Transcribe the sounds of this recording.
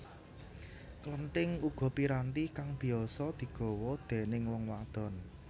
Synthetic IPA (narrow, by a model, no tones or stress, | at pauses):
kləɳʈɪŋuɡ̥ɔ̤piɾant̪ikaŋb̥i̤ɔsɔd̪̥i̤ɡ̥ɔ̤wɔd̪̥e̤nɪŋwɔŋwad̪̥ɔ̤n